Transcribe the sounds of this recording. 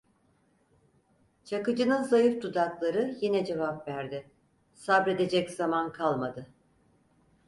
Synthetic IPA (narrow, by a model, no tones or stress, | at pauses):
t͡ʃʰakɯd͡ʒɯnɯnzajɯfd̪ud̪aklˠaɾɯjinɛd͡ʒe̞vapvæɾd̪ɪ | sabɾe̞d̪e̞d͡ʒɛczamankʰalˠmad̪ɯ